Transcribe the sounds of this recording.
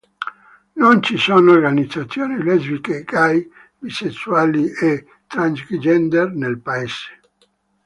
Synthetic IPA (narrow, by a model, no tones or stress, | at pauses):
nont͡ʃisonoorɡanid̪zːat̪sːjoːnilɛzbikeɡaj | bisesːuaːlie | t̪ɾansɡid͡ʒɛnd̪ernelpaese̥